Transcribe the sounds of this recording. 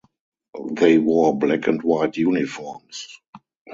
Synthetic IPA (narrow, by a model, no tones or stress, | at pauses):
ðeɪwɜ˞blækɛ̰̃ntwaɪtʰjunifɔɹms